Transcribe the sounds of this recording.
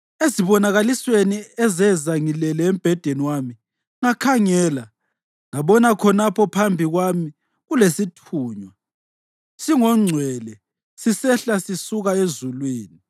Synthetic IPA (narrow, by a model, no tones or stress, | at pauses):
eziβɔnaɣalisweniɛzɛzaŋilɛlɛːm̩b̥ʱɛd̥ʱeniwami | ŋakʰaŋɛːla | ŋaβɔnakʰɔnapʰɔpʰambʱiɣwami | ɣulesitʰuːɲwa | siŋɔŋ͡ǀʱwɛlɛ | sisɛɬasisuɣaezulweːni